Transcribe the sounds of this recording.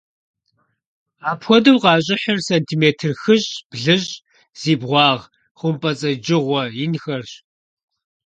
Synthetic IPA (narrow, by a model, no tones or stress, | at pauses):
aːpxʷɔdɐwqɑːɕʼɪħɐrsɐntʰiːmeːtʰɨrxɨɕb̥ɮɨɕ | z̥iːbʁʷɑːʁ | χʷʊmpʼɐt͡sʼɐd͡ʒɪʁʷɔjɪnxɐrɕ